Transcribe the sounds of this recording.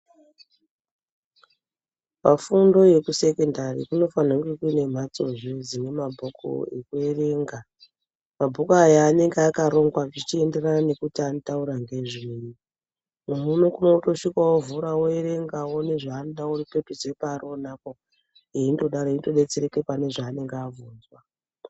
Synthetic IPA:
pafundo̞je̞kuse̞kendarḭkuno̞fanaŋɡekuine̞m̤at͡so̞ʐod͡zine̞mabʱo̞ko̰ekue̞re̞ŋɡa | mabʱo̞koajaːne̞ŋɡeakaɾo̞ŋɡwaʐit͡ʃie̞nde̞ranane̞kutianotauɾaŋɡe̞ʐiji | umunukunouto̞ʃikwawovuɾawoeɾe̞ŋɡawo̞ne̞ʐaːnoɗauripetud͡ze̞paːro̞nako | eindo̞ɗaroindo̞ɗe̞t͡seɾe̞kepane̞ʐaːne̞ŋɡeavuːnzwa

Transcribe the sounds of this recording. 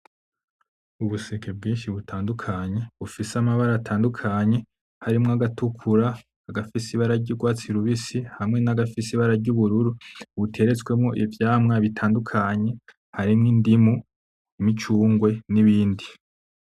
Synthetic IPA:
uβusekʰebɡiːnʃiβutʰaːndukʰaɲe̞βufisamaβaɾaːtʰaːndukʰaɲe̞ | haɾimŋoaɡatukʰuɾaː | ɡafisiβaɾaɾɟiɾɡwaːt͡siɾuβisihamŋe̞naɡafisiβaɾaɾɟuβuɾuɾuβutʰe̞ɾe̞t͡swe̞mŋo̞ʔivjaːmŋaβitʰaːndukʰaɲe̞ | haɾimŋindimu | imit͡ʃuːŋɡwe̞niβiːndi

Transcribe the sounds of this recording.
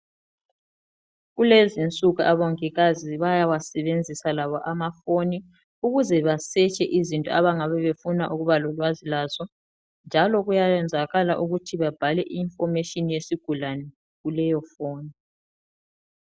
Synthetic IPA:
ɣulezint͡sʼuɣaʔaβɔŋɛɣaziβajawasɛβend͡zʱisalaβɔʔamafoni | uɣuzɛβasɛt͡ʃʼɛʔizintʼɔ̰aβaŋaβɛβefunaʔuɣuβalɔlwazilaːzɔ | nd͡ʒʱalɔɣujajɛnd͡zʱaɣalaʔuɣutʰiβab̥ʱalɛʔiːnfɔrmeʃinijesiɡ̥ʱulanɛ | ɣulɛjɔfoːni

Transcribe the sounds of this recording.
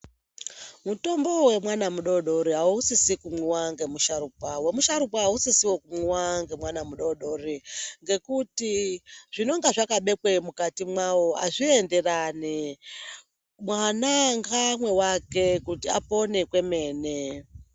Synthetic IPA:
muto̞mbo̞we̞mwanamuɗo̞ɗo̞ɾiɦauusisikumuwaŋɡe̞muʃaɾupawe̞muʃaɾupaɦausisiwokumuwaŋɡe̞mwanamuɗo̞ɗoriŋɡe̞kutiʐ̥ino̞ŋɡaʐakaɓe̞kwemukatimwawo̞a̰ʐiende̞rani | mwanaŋɡamwe̞wake̞kutiapo̞ne̞kwe̞me̞ːne

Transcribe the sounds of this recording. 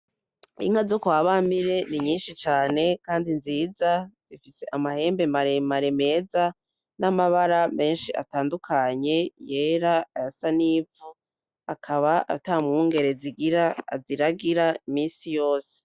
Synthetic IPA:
ḭŋazokwaːβamiɾe̞niɲiːnʃit͡ʃaːne̞kaːndinziːzaz̥ifise̞ʔamahe̞ːmbe̞maɾemaɾeme̞ːza | namaβaɾame̞ːnʃiʔa̰taːndukʰaɲe̞je̞ːɾaajasaniːvu | akʰaβaʔa̰tamuŋɡe̞ɾe̞ziɡiɾaziɾaɡiɾaimiːsijo̞ːse̥

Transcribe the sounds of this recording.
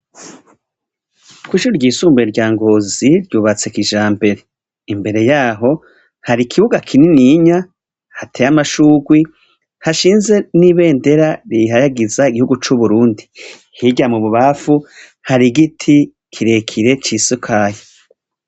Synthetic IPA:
kwiːʃuɾɾɟiːsuːmbeɾɟaːŋɡo̞ːziɾɟuːβat͡sekiʒaːmbe̞ɾe̞ | imbe̞ɾe̞jaːɦo̞ | haɾikʰiβuɡakʰininiɲa | hatʰejamaʃuːɡwi | haʃiːnze̞niβe̞ːnde̞ɾaɾiɦajaɡizaiɡihuɡut͡ʃuβuɾuːndi | hiɟamuβuβafu | haɾiɡitʰi | kʰiɾe̞kʰiɾe̞t͡ʃisukʰaːjo

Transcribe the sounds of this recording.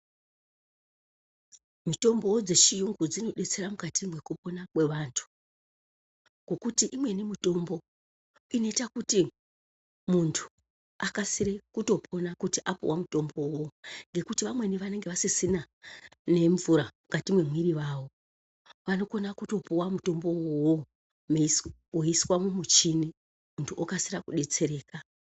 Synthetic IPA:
mito̞mbo̞d͡ze̞t͡ʃijuŋɡud͡zino̞ɗe̞t͡se̞ɾamukatimwe̞kupo̞nakwe̞ʋantʰu̥ | ko̞kutiʔimwe̞nemito̞mbo̞ | ino̞itakuti | muntʰu̥ | akasiɾe̞kuto̞pʰo̞nakutiʔapṵwamuto̞mbouwoŋɡe̞kutiʋamwe̞niʋane̞ŋɡe̞ʋasisina | ne̞ɱvuɾamuɡatimwe̞mwiɾiʋaːwo̞ | ʋano̞ko̞nakuto̞puwamuto̞mbo̞uwo | m | woiswamumut͡ʃini | muntʰuʔokasirakuɗe̞t͡se̞ɾe̞ːka

